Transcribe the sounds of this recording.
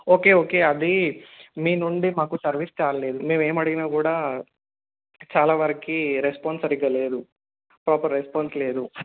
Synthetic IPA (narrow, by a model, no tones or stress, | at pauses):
o̞ːke̞ːoːke̞ːɐd̪imiːnuɳɖimaːkusɐɾʋist͡ʃaːɾɐleːd̪umeːmeːmɐɽɐɡinaːkuːɽaː | t͡ʃaːlaːʋɐɾɐkiɾespaːnsɐɾiɡɐle̞ːd̪u | pɾaːpɐɾːespaːnsle̞ːd̪u